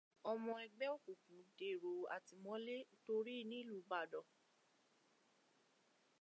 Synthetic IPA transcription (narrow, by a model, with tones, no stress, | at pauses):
ɔ˧mɔ̃˧ɛ˧ɡ͡bɛ˦o˦˨ku˨kũ˨˦de˦˨ɾo˨˦a̰˨ti˧mɔ̃˦le˦to˧ɾi˦˨nĩ˦lu˦˨˦ba˨dɔ˨